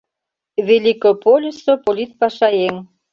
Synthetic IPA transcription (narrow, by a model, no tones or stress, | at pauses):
vʲelʲikopolʲisopolʲit̪̚pɑʃɑjeŋ